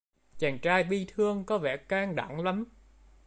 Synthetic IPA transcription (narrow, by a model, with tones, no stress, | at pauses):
t͡ɕaː˨˩ŋt͡ɕaː˧jɓi˧t̪ʰɨ˧əŋkɔ˨˦vɛ̰˧˩kaː˧ŋɗa̰˧˩ŋla˨˦m